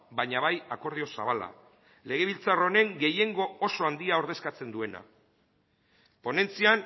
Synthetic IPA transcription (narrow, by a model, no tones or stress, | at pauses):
baɲaβajako̞ɾð̞io̞sa̰β̞ala̰ | le̞ɣ̞e̞β̞ilt͡saro̞ne̞ŋɡe̞je̞ŋɡo̞oso̞and̪iao̞ɾð̞e̞skat͡se̞nd̪ue̞na̰ | po̞ne̞nt͡sian